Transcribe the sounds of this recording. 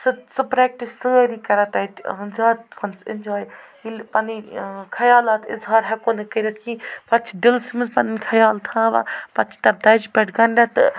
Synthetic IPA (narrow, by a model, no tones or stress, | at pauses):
sɨsɨpɾɛːk̚ʈisːɨɾikɐɾɐt̪ɐt̪zaːt̪pʰɐnsɪ̰nd͡ʒaːj | ilpɐnikʰɐjaːlaːt̪ɪ̰zɦaːɾɦɛkoːnɐkɐɾɐt̪̚ʰkĩːpɐt͡ʃʰid̪ɪlsimɐzpɐnkʰɐjaːlt̪ʰãːʋa̰pɐt͡ʃʰt̪ɐɾd̪ɐd͡ʒpʲɛʈɡɐnɖɐt̪